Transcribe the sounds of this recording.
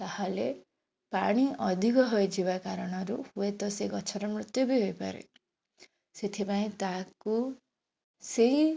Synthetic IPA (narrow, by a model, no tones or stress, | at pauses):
t̪ahale | paɽ̃iɔd̪ʱikɔɦɔjd͡ʒiβakaɾɔɽ̃ɔɾuhuet̪ɔseɡɔt͡ʃʰɔɾɔmɾut̪jɔbiɦojpa̰ɾḛ | set̪ʰipaĩt̪aku | sei